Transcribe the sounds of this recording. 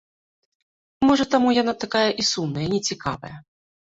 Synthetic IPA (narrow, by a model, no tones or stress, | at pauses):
mɔʐɐt̪amujanat̪akajɐʔisumnɐjɐnʲɛt͡sʲika̰vɐ̰jɐ